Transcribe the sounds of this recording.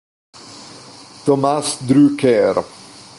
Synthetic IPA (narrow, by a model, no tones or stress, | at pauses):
t̪ɔmasd̪ɾykɛɾ